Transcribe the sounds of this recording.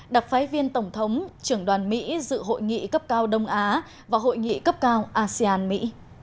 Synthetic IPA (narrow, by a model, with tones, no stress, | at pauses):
ɗa˨˩t̚faː˨˦jvi˧ənt̪ə˧˩wŋ͡mt̪ʰə˨˦wŋ͡mt͡ɕɨ˧˩əŋɗwaː˨˩nmḭ˧˥zɨ̰˧˨ɦo̰˧˨jŋḭ˧˨kə˦˥p̚kaː˧wɗə˧wŋ͡mʔaː˨˦ | vaː˨˩ɦo̰˧˨jŋḭ˧˨kə˦˥p̚kaː˧wʔaː˧si˧aː˧nmḭ˧˥